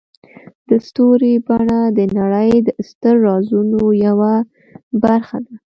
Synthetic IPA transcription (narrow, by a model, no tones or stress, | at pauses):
d̪̥əst̪oɾibaɳad̪ənaɽəjd̪əst̪əɾːɑzunojawa | baɾxad̪a